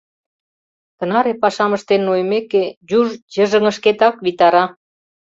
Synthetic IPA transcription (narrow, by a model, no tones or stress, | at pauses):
t̪ə̆nɑɾepɑʃɑməʃt̪enːojəmeked͡ʑuʒjəʒə̆ŋə̆ʃket̪ɑkβit̪ɑɾɑ